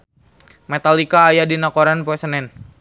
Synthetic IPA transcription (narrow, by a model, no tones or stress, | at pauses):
mɛt̪alikaːjadinakoɾanpoɛsənɛn